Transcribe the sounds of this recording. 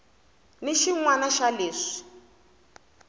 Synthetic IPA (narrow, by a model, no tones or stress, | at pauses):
niʃiŋwanaʃaleːʂi̥